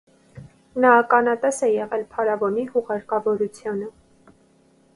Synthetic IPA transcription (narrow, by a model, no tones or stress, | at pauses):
nɑːkɑnɑt̪ɛsɛjɛʁɛlpʰɑɾɑvɔnihuʁɑɾkɑvɔɾut͡sʰjunə